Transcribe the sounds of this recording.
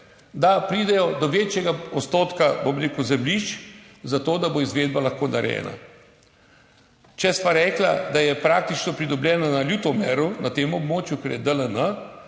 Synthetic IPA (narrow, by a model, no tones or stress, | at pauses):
d̪apɾiːd̪ɛjɔd̪ɔʋeːt͡ʃjɛɡaɔt̪st̪oːt̪kabomɾeːkəwzɛmliʃt͡ʃ | zat̪oːd̪aboizʋeːd̪̚balaxkoːnaɾɛ̰ːna̰ | t͡ʃɛspaɾɛːkla̰d̪ajɛpɾaːk̚t̪it͡ʃnɔpɾid̪ɔblʲjɛːnanaljut̪ɔmɛɾunat̪eːmɔbmoːt͡ʃjukɛɾjɛd̪ələnə